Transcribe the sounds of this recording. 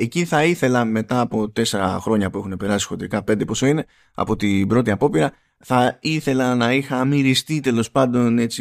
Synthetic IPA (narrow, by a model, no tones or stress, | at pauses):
e̞ciθɐiθe̞lɐme̞t̪ɐːpo̞t̪e̞se̞ɾɐ̰xɾo̞ɲɐpue̞xune̞pe̞ɾɐsi̥sot̪iɾikɐpe̞nd̪epo̞so̞ine̞ | ɐ̰po̞t̪ibɾo̞t̪iɐpo̞piɾɐ | θɐiθe̞lɐnɐixɐmiɾist̪it̪e̞lo̞spɐnd̪o̞ne̞t͡si